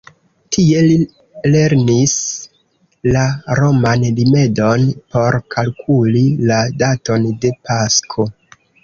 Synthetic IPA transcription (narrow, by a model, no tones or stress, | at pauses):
tʰie̞i | le̞ɾnis | laɾo̞manlime̞do̞npo̞ɾkalkʰuliladato̞nde̞paskʰo̞